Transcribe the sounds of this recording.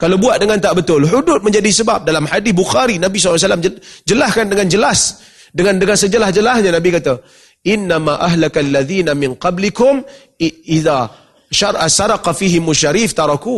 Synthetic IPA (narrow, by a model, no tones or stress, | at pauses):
kalawbuat̪ʔ̪̚dəŋant̪aʔbət̪ʊlhudʊt̪̚mə̃ɲd͡ʒadisəbap̚dalamħadɪθbuxaɾinabisɔlːs̬alaməd͡ʒəlahkandəŋand͡ʒəlas | dəŋandəŋansəd͡ʒəlahd͡ʒəlahɲanabikat̪a | ʔɪnːamaʔaɦlakalːaðiːnamɪnqɑblikʊm | ʔiða | ʃaɾˤʔasɑɾˤɑqɑfiɦɪmʊʃːaɾiːft̪ɑɾˤɑku